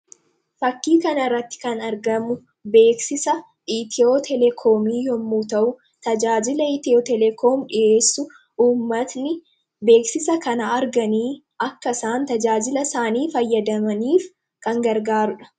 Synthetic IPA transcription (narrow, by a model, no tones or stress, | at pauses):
fɐkːiːkɐnɐrːɐt̪ːɪ̥kɐnɐɾɡɐmʊ | be̞ːksɪsɐ | it̪ʰɪoːt̪ʰɛlɛkʰoːmiːjɔmːuːt̪ɐʔʊ | t̪ɐd͡ʒaːd͡ʒɪlɐit̪ɪoːt̪ɛlɛkʰoːmᶑɪʔe̞ːsːʊ | ʔuːmːɐt̪nɪ | be̞ːksɪsɐkɐnɐːɾɡɐniː | ɐkːɐsaːnt̪ɐd͡ʒaːd͡ʒɪlɐsaːniːfɐjːɐd̪ɐmɐniːf | kɐŋɡɐɾɡaːɾʊᶑɐ̥